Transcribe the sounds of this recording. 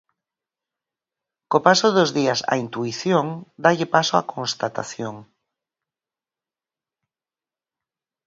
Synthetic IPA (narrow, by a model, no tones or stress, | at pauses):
kopasoðozðiasa̰int̪uiθjoŋd̪aʎepasoa̰kõnst̪at̪a̰θjoŋ